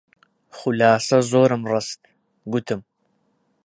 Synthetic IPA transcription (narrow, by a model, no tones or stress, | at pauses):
χʊlaːsɐzoːɾɨmrɨst̪ | ɡut̪ʰɨm